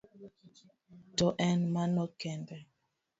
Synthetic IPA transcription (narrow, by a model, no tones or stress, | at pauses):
tɔʔɛnmanɔkɛndɛ